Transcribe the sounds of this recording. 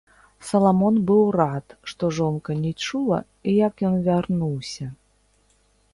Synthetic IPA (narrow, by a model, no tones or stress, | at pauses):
sɐlˠamɔnbɨwrat̪ʂt̪ɔʐɔnkɐnʲɛt͡ʂulˠɐ̰ | ijɐkjɔnvʲarnuwsʲɐ